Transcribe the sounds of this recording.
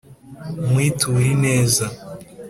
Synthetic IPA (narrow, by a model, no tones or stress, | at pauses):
mwiːtʰuɾineːza